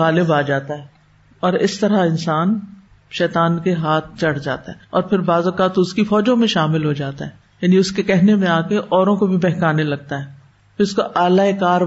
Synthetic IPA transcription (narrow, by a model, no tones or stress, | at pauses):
ɣaːlɪbaːd͡ʒaːt̪aɦɛː | ɔːɾɪ̰st̪ɐɾaɪ̃nsaːn | ʃɛːt̪aːnkeɦaːt̪̚ʰt͡ʃɐɽ̤d͡ʒa̰ːt̪a̰ɦɛːɔːɾpʰɪɾbaːzɐkaːt̪ʊskifɔːd͡ʒõmẽʃaːmɪlɦod͡ʒaːt̪aɦɛ | jaːniʊskekɛɦnemẽaːkeʔɔːɾõkobʱibɛɦkaːnelɐɡ̚t̪aɦɛː | pʰɪɾʊskoʔaːlaekaːɾ